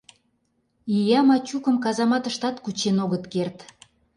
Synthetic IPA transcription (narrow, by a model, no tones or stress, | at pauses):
ijɑmɑt͡ɕukə̆mkɑzɑmɑt̪əʃt̪ɑt̪kut͡ɕenoɣət̪kert̪